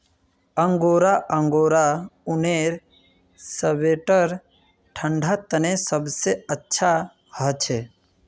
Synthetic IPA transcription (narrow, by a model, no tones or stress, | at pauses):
əŋɡoːɾaʔə̃ŋɡoːɾaʊneɾ | səbeʈəɾ | ʈʰəɳɖʱat̪ənesəbseətːʃʰa | hət͡ʃʰe